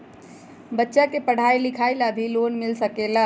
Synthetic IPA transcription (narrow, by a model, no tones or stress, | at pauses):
bətːʃakepəɽ̤ajlikʰajlab̪ʱilonmilsəkela